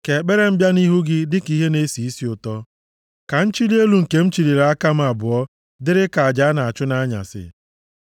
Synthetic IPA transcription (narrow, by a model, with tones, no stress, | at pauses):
ke˨k͡pe˦ɾe˦m̩˦bja˦ni˦ɦu˦ɡɪ˦dɪ˦ki˦ɦe˦ne˦si˨i˦si˨ʊ˨tɔ˦ | ka˨n̩˦t͡ʃi˦li˦e˦lu˨ŋ̩˨ke˨˦m̩˦t͡ʃi˨ɾi˨ɾa˦ka˦m̩˦a˨bʊ˨ɔ˦ | dɪ˦ɾɪ˦ka˨a˨d͡ʒa˨˦a˦na˨a˨t͡ʃʊ˦na˦ɲa̰˨sɪ̰˨